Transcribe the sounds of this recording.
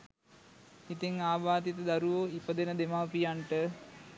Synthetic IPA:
it̪iŋaːbaːt̪it̪əd̪aɾuʋoːipəd̪enəd̪emaːpijaɳʈə

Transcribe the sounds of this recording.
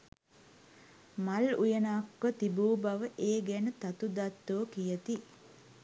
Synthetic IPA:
malujənakːət̪ibuːbaʋəʔeːɡɛnət̪at̪ud̪at̪ːoːkijət̪i

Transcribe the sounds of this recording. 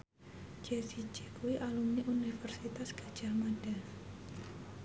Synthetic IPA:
d͡ʒesi̥d͡ʒekuwiʔalumniʔunifɛrsit̪asɡ̥a̤d̥ʒ̥a̤mad̥an

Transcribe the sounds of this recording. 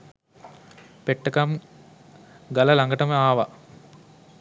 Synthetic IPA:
peʈːəkam | ɡɐlɐlaŋɡɐʈɐməaːʋɐ

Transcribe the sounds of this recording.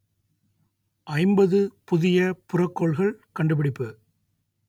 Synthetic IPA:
ʔɐɪmbɐðɯpʊðɪjɐpʊrɐkːɔɭɣɐɭkɐɳɖɯpɪɽɪpːɯ

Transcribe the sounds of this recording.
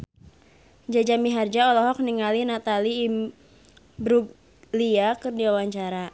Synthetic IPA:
d͡ʒad͡ʒamiɦard͡ʒaɔlɔɦɔk̚niŋalinat̪aliː | bɾuɡ | liakɨrdiwawaɲt͡ʃaɾa

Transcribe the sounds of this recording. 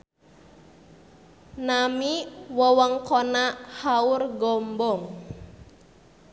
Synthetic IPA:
namiwɔwɔŋkɔnaʔhaurɡɔmbɔŋ

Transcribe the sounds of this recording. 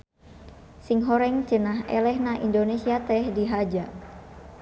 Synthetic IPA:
siŋɦoɾɛŋt͡ʃənaɦɛ̰lɛhnaʔindonesiat̪ɛhdiɦad͡ʒa

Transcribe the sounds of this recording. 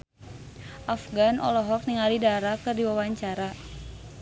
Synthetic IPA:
ʔafɡanʔɔ̰lɔɦɔk̚niŋalidaɾakɨrdiwawaɲt͡ʃaɾa

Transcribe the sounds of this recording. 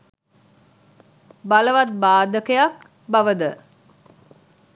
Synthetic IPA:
baləʋat̪̚baːd̪əkəjak | bɐʋəd̪ə

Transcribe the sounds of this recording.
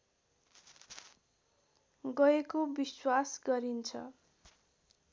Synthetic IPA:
ɡʌekobiswasɡʌɾint͡sʰʌ̰

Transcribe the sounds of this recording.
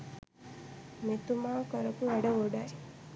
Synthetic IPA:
met̪umaːkəɾɐkuʋɐɖəʋoɖɐj

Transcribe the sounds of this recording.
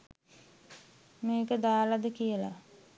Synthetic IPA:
meːkəd̪aːlad̪əkijəla̰

